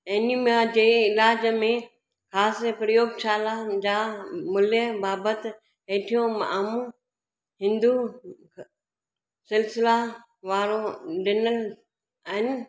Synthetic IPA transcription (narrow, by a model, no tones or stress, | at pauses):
enimad͡ʑeːɪlaːd͡ʑmẽ | xaːspɾəjoːɡt͡ɕʰaːlad͡ʑaːmʊljəbaːbət̪ | ẽːʈʰijõma̰ʔaːmũ | ɦɪ̃nd̪u | sɪlsɪla | ʋaːɾoɖɪnəl | aɦɪnɪ̆